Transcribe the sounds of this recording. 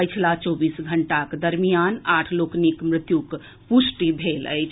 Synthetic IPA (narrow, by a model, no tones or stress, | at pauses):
əjt͡ʃʰlat͡ʃɔbisɡʱəɳʈakd̪əɾmijanaʈʰloknikmɾɪt̪juk | pusʈibʱelə̰jt͡ʃʰ